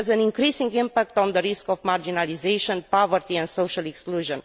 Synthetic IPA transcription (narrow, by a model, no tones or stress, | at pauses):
zæ̃nĩŋkɾisĩŋɡĩmpak̚t̪ɔ̃nd̪əɾiskɔvmaɾd͡ʒinalizejʃɔ̃npɔvəɾt̪iɛ̃nd̪soʃalɛkskluʒə̃n